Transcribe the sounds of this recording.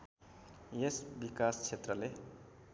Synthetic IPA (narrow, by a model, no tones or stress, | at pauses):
jesbikast͡ʃʰet̪rʌle